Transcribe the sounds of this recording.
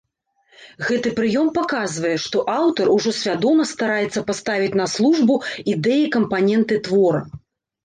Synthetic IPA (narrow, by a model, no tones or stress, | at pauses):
ɣɛt̪ɨpɾɨjɔmpakazvɐjɛʂt̪ɔʔawt̪ɐɾuʐɔsʲvʲad̪ɔmɐst̪aɾajɛt̪sːɐpast̪avʲit͡sʲn̪ɐslˠuʐbuid̪ɛjikɐmpanʲɛnt̪ɨt̪vɔɾɐ̰